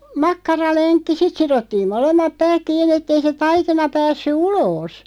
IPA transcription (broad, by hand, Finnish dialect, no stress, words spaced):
mɑkːɑrɑlenkːi sit sirotːiːm molemːɑp pæːk kiːnːi ĕtː ei se tɑikinɑ pæːsːy uloːs